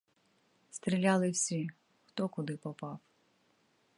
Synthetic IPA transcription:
st̪ɾʲilʲalˠɪwsʲi | xt̪ɔkʊd̪ɪpɔpɑw

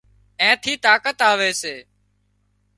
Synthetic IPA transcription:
ẽːt̪ʰiːt̪aːkət̪aːʋeːseː

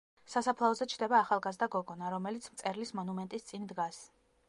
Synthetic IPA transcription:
sasapʰlˠaɔzɛt͡ʃʰd̪ɛbaːχalˠɡazd̪aɡɔɡɔnaɾɔmɛlit̪sʰmt̪sʼɛɾlismɔnumɛnt̪ʼist̪sʼind̪ɡas

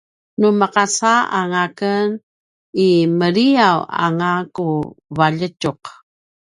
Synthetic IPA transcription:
numəqasaa̰ŋakən | iməɾiawa̰ŋakuvaʎəcuq

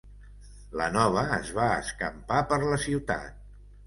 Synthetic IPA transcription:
lə̰nɔβ̞əːzβaə̰skəmpapəɾləsiwt̪a̰t̪̚

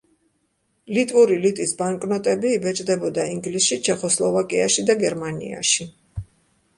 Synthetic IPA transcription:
lit̪ʼuɾilit̪ʼisbaŋkʼnɔt̪ʼɛbiːbɛt͡ʃʼd̪ɛbɔd̪aiŋɡlisʃit͡ʃʰɛχɔslˠɔvakʼiaʃid̪aɡɛɾmanḭa̰ʃi

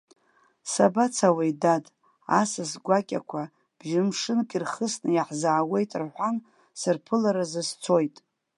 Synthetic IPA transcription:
sabat͡sʰawajdad | a̰sasɡʷakʲʼa̰kʷʰa | b̥ʒɪmʂɨnkʲʼirχəsnɨjaħzaʕːwe̞jtʼrħʷan | sɨrpʰɨlaɾazɨst͡sʰo̞jtʼ

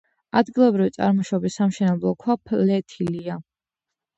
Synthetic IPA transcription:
ad̪ɡilˠɔbɾivit̪sʼa̰ɾmɔʃɔbisːamʃɛnɛblˠɔkʰwapʰlɛt̪ʰilia

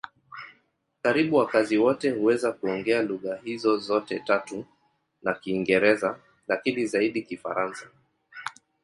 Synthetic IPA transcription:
kaɾiɓuwakaziwɔtɛhuwɛzakuɔŋɡɛaluɣaɦizɔzɔtɛtatu | nakiːŋɡɛɾɛza | lakinizaiɗikifa̰ɾansḁ

